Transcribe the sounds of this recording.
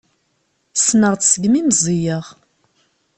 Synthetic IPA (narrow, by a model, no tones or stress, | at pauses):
snəʁt͡ssəɡmimzˤijəʁ